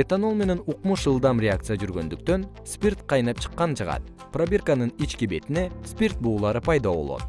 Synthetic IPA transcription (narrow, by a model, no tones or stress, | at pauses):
et̪ano̞lˠme̞ne̞nuqmuʃɯlˠd̪ɑmrʲeak̚t̪sɨjad͡ʒyɾɡø̞̰nd̪yk̚t̪ø̞n | spʲirt̪qʰɑjnɑp̚t͡ʃʰɯ̥qːɑnt͡ʃʰɑʁɑ̰t̪ | prabʲe̞rkanɯnit͡ʃkibe̞t̪ine̞spʲirt̪̚buːlˠɑɾɯpɑjd̪oβo̞lˠo̰t̪̚